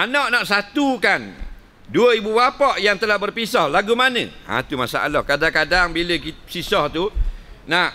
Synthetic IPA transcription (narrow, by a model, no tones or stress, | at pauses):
ʔanɔʔnaʔsat̪ukan | duəibuwapɔʔjaŋt̪əlahbərpisɔhlaɡumanə̰̃ã̰t̪umasa̰a̰lɔhkadaŋkadaŋbiləkisisɔht̪unaʔ